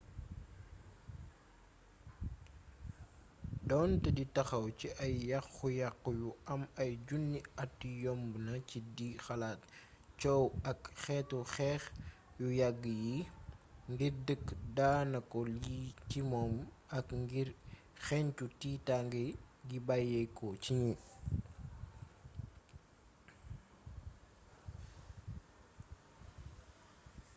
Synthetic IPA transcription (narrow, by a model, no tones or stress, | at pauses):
dɔntɛditɐxɐwciʔɐjːɐxːujaqːjuɐmɐjɟunːiɐtːijɔmbnɐcidixɐlaːt | t͡ʃɔwɐkxɛːtuxɛːx | jujɐɡːəji | ŋɡirdəkːdaːnɐkɔlitimɔːm | ɐkŋɡiɾ | xɛɲt͡ʃutitaŋɡəɡibajɛkɔciɲu